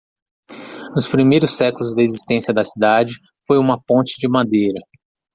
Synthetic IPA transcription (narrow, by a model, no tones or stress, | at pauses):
nʊspɾimejɾʊsːɛkulʊzd̪ɐezist̪ẽsjɐd̪ɐsid̪ad͡ʒɪ | fojũmɐpõnt͡ʃɪd͡ʒɪmad̪ejɾɐ